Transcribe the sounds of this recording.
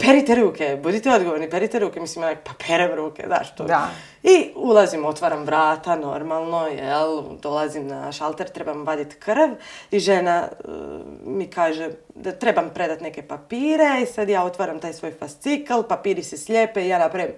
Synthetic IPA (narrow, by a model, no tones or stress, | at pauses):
peɾit̪eɾuːkebud̪it̪ɛo̞d̪ɡoʋoɾnipeɾit̪eɾuːkemisimonakpapʰeːɾemɾuːkḛzna̰ːʃt̪o | iulˠazimo̞t̪ʋaːɾamʋɾaːt̪ano̞̰ɾmalˠno̞jeld̪o̞lˠazimna̰ʃalˠt̪eɾt̪ɾe̞bamʋad̪it̪kr̩ʋiʒena̰ | mikaːʒed̪at̪ɾe̞bampɾe̞d̪at̪neke̞papiːɾe̞isad̪jaːot̪ʋaːɾamt̪aːjsʋojfast̪sikalpapiːɾisesʎepeijaːnapɾajem